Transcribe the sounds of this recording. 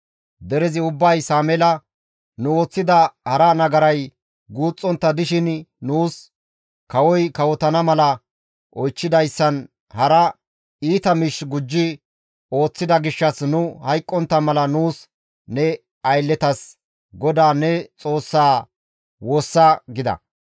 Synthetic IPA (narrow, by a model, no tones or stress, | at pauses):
d̪ɛɾɛzɪʊbːɐjsaːmɛlɐ | nʊo̞ːt͡sːɪd̪ɐhɐɾɐnɐɡɐɾɐj | ɡuːt͡sʼːɔnt̪ːɐd̪ɪʃɪnnuːs | kɐwɔjkɐwɔt̪ɐnɐmɐlɐ | ʔɔjt͡ʃːɪd̪ɐjsːɐn | hɐɾɐ | iːt̪ɐmɪʃɡʊd͡ʒːɪ | o̞ːt͡sːɪd̪ɐɡɪʃːɐsnʊhɐjkʼːɔnt̪ːɐmɐlɐnuːs | nɛ | ɐjlːɛt̪ɐs | ɡɔd̪aːnɛt͡sʼo̞ːsːaː | woːsːɐɡɪd̪ɐ̰